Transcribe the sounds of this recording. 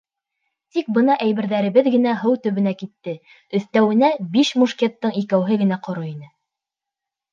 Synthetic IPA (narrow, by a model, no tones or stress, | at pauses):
t̪ik̚bɤ̆nɑʔæjβɘ̆ɾðæɾɘ̆βɘðɡɘ̆næɦɤwt̪ɵ̆βɘ̆nækit̪ːɘ | ɵ̆θt̪æwɘ̆næbiʃmuʃkʲet̪ːɤɴikæwɦɘɡɘ̆næqŏɾoinɘ